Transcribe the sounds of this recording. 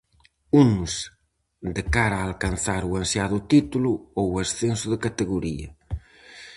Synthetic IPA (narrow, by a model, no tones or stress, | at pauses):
unʊs | d̪ekaɾaːlkanθaɾuansjaðʊt̪it̪uluowasθensʊðɪkat̪eɣuɾiɐ̰